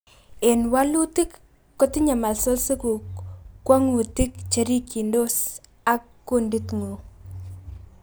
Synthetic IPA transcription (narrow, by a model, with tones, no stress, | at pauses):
e˨nwa˦lu˦tɪ˦kː | ɔ˦tɪ˦ɲa˨ma˨lso˦lse˦ku˨kːwa˦ŋu˨tɪ˦kt͡ʃe˨ɾi˦ki˨ndo˦s | a˦kːundi˦tŋo˨